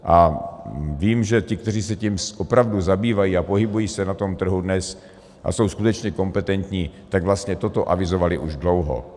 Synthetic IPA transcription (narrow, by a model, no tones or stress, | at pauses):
ʔa | viːmʒɛc̪ɪk̚t̪ɛr̝iːsɛcimʔopɾavduzabiːvajiapoɦɪbujiːsɛnat̪o̞mt̪r̩ɦudnɛs | ʔa̰sowskut̪ɛt͡ʃɲɛko̞mpɛt̪ɛnt̪ɲiːt̪aɡvlast̪ɲɛt̪ot̪oʔa̰vɪzovalɪʔuʒdlowɦo̰